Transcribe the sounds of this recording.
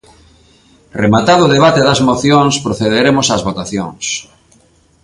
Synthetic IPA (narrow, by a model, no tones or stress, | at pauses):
remat̪aðʊðeβ̞at̪eðɐzmoθjoŋspɾoθeðeɾemʊsazβot̪aθjo̰ŋs